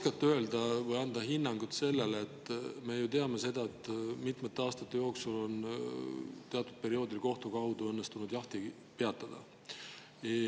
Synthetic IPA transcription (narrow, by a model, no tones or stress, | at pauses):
kɑt̪ːˑøe̞ld̪̥ɑvɤjɑnd̪ɑɦinːɑŋɡ̥ut̪se̞lːelet̪ːˑme̞jut̪e̞ɑme̞se̞d̪̥ɑet̪ˑːmit̪met̪ːeɑːst̪ɑt̪ːe̞jo̞ːksulo̞n | t̪eɑt̪ːˑud̪̚pe̞ɾio̞ːd̪̥ilko̞ht̪ukɑɦud̪uɤnːest̪unud̪̥jɑht̪i | pe̞ɑt̪ːˑɑd̪̥ɑ̰